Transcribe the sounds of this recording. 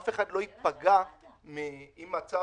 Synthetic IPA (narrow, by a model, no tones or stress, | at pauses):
feχadlo̞it̪̚paɡa | miimat͡sa